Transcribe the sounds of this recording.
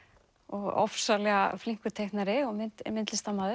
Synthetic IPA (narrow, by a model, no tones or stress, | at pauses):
ɔɣɔ̰fsalɛɣafliŋ̥kʏt̪ʰejhknaɾɪɔɣmɪmɪnt̪lɪst̪amːaðɪ